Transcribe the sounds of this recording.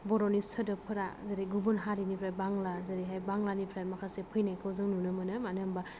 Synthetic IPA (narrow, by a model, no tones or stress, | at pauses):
bɔɾɔnisɯdɯpʰɯɾazaɾiɡubɯnɦaɾinipʰɾajbaŋlazaɾiɦajbaŋlanipʰɾajmakʰasepʰɯjnajkʰɯwzɯŋnunɯmɯnɯmanɯmba